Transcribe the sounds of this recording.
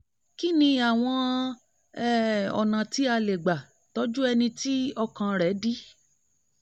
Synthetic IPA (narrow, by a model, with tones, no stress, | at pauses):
ki˦nĩ˧a˨w̃ɔ̃˧ | ɛ˦˨ɔ̰˨nã˨ti˨˦a˧le˨ɡ͡ba˨ | to˦d͡ʒu˦ɛ˧nĩ˧ti˦ɔ˧kã˧ɾɛ˨˦di˦